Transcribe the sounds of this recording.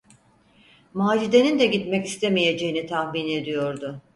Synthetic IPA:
maːd͡ʒid̪e̞nind̪ɛɟit̪mɛcist̪ʰemije̞d͡ʒe̞jinit̪ʰahmine̞d̪ijo̞ɾd̪ʊ

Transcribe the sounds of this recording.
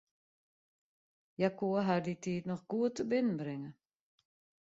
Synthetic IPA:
jakuəɦarditiːtnɔxɡ̥uətːəbɪnən̩brɪŋə

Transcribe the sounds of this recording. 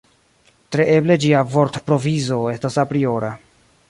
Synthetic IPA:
tɾe̞ʔe̞ble̞d͡ʒiavo̞ɾtpɾo̞vizo̞e̞stasapɾio̞ɾa

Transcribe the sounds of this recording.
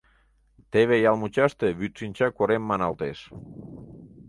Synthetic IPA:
t̪eβejalˠmut͡ʃast̪eβyt͡sinʲt͡ʃakoɾemːanalˠt̪es

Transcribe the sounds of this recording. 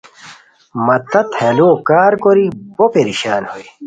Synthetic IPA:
mɐt̪ɐt̪heloːkaːɾkoɾibopeɾiɕaːnhoi

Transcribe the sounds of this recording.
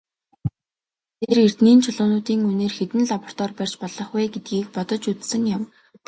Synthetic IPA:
t̪ʰerer̥t̪niːnt͡ɕʰʊɮʊːnʊːt̪iːŋuneːrxet̪ɘ̆nɮapɔ̥r̥t̪ɔːrpær̥ʲt͡ɕpɔɮɞ̆χɛːɡet̪̚ɡiːkpɔt̪ɞ̆t͡ɕut͡s̪sɘ̆ŋjam

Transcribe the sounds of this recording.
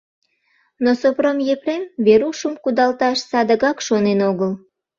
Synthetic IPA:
nosopromjepremβeɾuʃəmkud̪ɑlt̪ɑʃsɑd̪əɣɑkʃonenoɣəl

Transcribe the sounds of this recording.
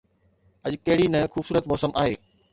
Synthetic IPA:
ɐʄkɐɦɪɽinɐxuːbsuːɾət̪mɔːsəmʔaːɦeː

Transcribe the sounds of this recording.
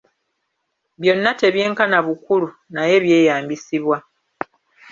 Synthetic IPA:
βjo̞nːate̞βje̞ːŋkanaβukulu | naje̞βje̞ːjaːmbisiβwa

